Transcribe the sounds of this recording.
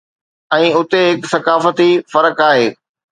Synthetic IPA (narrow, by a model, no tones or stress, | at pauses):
ɛ̃ːʊt̪eɦɪksɐkaːfət̪ifɐɾəkaːɦeː